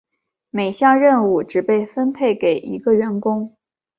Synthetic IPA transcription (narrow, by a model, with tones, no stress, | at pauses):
me˨˩ɪɕjɑ˥˧ŋɻə˥˧nu˥˩ʈ͡ʂɻ̩˨˩pe˥˩ɪfə˥npʰe˥˩ɪke˨˩ɪʔi˧˥ɡə˧ɥə˧˥nkʊ˥ŋ